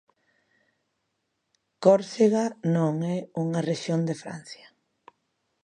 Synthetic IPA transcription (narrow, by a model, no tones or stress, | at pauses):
kɔɾseɣanõŋɛuŋareʃjond̪efɾa̰n̟θjḁ